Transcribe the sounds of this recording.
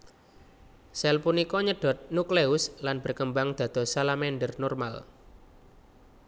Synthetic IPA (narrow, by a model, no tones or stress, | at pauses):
sɛlpunikɔɲəɖ̥ɔ̤t̪̚nukleʊslanb̥ə̤rkəmbaŋd̪̥a̤d̪̥ɔ̤salamɛnɖərnɔrma̰l